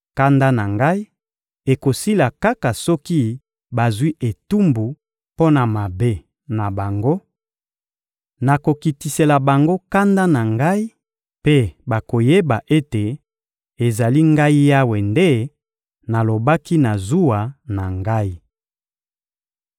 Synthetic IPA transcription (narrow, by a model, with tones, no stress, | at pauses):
ka˦nda˦na˨ŋɡa˦i˦ | e˨ko˨si˦la˨ka˦ka˨sɔ˦ki˦ | ba˨zwi˦ʔe˨tu˦mbu˨ | po˦na˨ma˨be˦ | na˨ba˨ŋɡo˦ | na˨ko˨ki˨ti˨se˨la˨ba˨ŋɡo˦ka˦nda˦na˨ŋɡa˦i˦ | pe˦ba˨ko˨je˦ba˨ʔe˦te˨ | e˨za˨li˦ŋɡa˦i˦ja˦we˨nde˦ | na˨lo˨ba˦ki˦na˨zu˦wa˨na˨ŋɡa˦i˦